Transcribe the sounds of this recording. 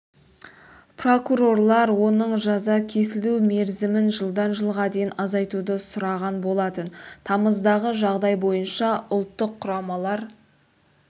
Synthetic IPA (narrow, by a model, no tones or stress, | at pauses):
pro̞kuɾo̞rlˠɑɾwo̞nəɴʒɑzɑkʲʰe̞sɪlume̞ɾzɪmɪnʒəlˠd̪ɑnʒəlˠʁɑd̪e̞jɪnɑzɑjt̪ud̪əsʊɾɑʁɑnbo̞lˠɑt̪ənt̪ʰɑməzd̪ɑʁəʒɑʁd̪ɑjbo̞jənʃɑʊlˠt̪ːəqʰːʊɾɑmɑlˠɑɾ